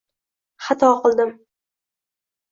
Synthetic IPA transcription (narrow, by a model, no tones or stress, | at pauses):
χɑt̪ʰɒqɨlˠd̪ɪm